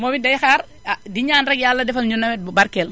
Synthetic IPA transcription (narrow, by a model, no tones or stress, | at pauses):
mɔmidɐjxaːɾ | adiɲaːnrɛk̚jalːɐdɛfɐlɲunːɐmɛbɐɾkɛl